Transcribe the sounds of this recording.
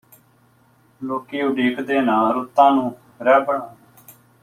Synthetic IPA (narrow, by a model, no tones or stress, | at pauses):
loːkiːʊɖiːkd̪eːnaːɾʊt̪ːãːnũː | ɾɛːbəɳaː